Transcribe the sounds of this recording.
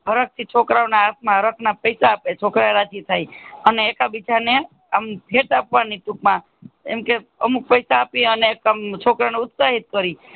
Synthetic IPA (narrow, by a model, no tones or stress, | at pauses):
ɦəɾək̚t̪ʰit͡ʃʰokɾaʋnaːsmãɦəɾəkʰnapəjsaːpet͡ʃʰokɾaeɾad͡ʒit̪ʰaiəneːkabit͡ʃʰane | ampʰeʈapʋaniʈukmã | ḛmkeə̰muk̚pəjsaːpiəneːkamt͡ʃʰokɾawneʊt̪saɦit̪̚kəɾi